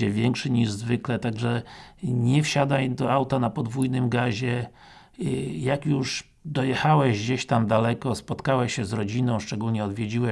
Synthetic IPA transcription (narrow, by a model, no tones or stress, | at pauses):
ɛvʲjɛŋkʂɛɲiʐzvɘklɛt̪aɡʐɛɲɛfɕad̪ajd̪ɔawt̪anapɔd̪vujnɘmɡaʑɛ | jakjuʂ | d̪ɔjɛxawɛʑɡd͡ʑeɕt̪amd̪alɛkɔspɔt̪kawɛɕɛzɾɔd͡ʑinɔ̃w̃ʂt͡ʂɛɡulɲɛɔd̪vʲjed͡ʑiwɛ